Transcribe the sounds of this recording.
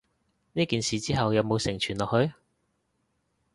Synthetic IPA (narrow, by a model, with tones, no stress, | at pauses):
niː˥kiː˨nsiː˨˧t͡siː˥ɦɐ˨wjɐ˨˧wmo˨˧wsɪ˨˩ŋt͡ʃʰyː˨˩nlɔː˨k̚hɵ˨˧ɥ